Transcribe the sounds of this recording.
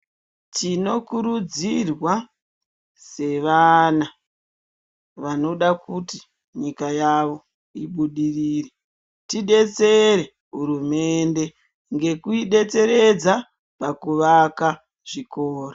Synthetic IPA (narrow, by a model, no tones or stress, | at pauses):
tino̞kuɾud͡zirwa | se̞ʋana | ʋano̞ɗakuti | ɲikajaʋo̞ | iɓuɗiriːre | tiɗe̞t͡se̞ɾe̞ | ɦuɾume̞nde̞ | ŋɡe̞kuiɗe̞t͡se̞ɾe̞d͡za | pakuʋaka | ʐ̥ikoːro